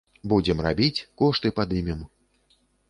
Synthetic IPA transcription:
bud͡zʲɛmra̰bʲit͡sʲkɔʂt̪ɨpad̪ɨmʲɛm

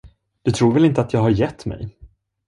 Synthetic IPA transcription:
d̪̥ɵt̪ʰɾuːɾvɛlɪnt̪əat̪jɑːɡɦhaɾjɛt̪ːmɛ̰j

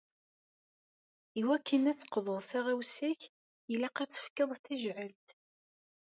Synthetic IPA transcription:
iwækːənæt͡sːə̥qːðˤəʁˤθæʁæwsæç | jəlæqæt͡sːə̥fkəðˤθæʒʕəlt̪

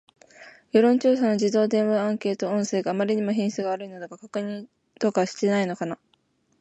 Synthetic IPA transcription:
jo̞ɾõɲ̟t͡ɕoːsanod͡ʑid̪o̞ːd̪ẽ̞ɰ̃βaãŋke̞ːt̪oõɰ̃se̞ːɡaːmaɾʲiɲ̟imoɦẽsɨɡaːɾɯ̟ino̞d̪akakakɯ̟ɲ̟ĩn | t̪o̞kaβaɕi̥t̪e̞naino̞kana

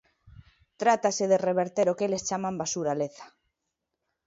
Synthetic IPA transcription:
t̪ɾat̪aseðereβ̞eɾt̪eɾokelest͡ʃamãmbasuɾaleθḁ

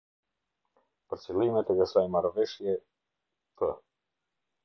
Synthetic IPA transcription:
pəɾt͡silˠimɛt̪ɛɡəsajɛmaɾvɛʃjɛ | t̪ʰə

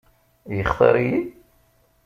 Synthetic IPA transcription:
jəχθˤə̰ɾˤji

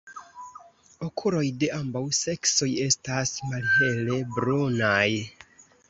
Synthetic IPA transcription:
okʰulo̞jde̞ambawse̞kso̞je̞stasmalhe̞le̞bɾonaj

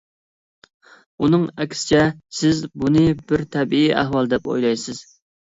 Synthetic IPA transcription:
unɨŋɛkʲsɪ̥t͡ʃʰɛsɪzbunɨbɪɾt̪ʰɛbiiʔæ̰ɦwɑlˠd̪ɛpo̰jlˠɑjsɪz̥

